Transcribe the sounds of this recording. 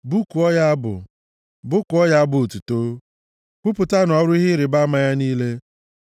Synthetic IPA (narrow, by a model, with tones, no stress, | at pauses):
bu˦ku˨ɔ˦ja˦a˦bʊ̰˨ | bʊ˦kʊ˨ɔ˦ja˦a˦bʊ˨tu˨to˦ | kʷʊ˦pʊ˨ta˦n˨ɔ˦ɾʊ˦i˦ɦɪ˦ɾɪ˨ba˦a˦ma˦ja˦niː˦le˦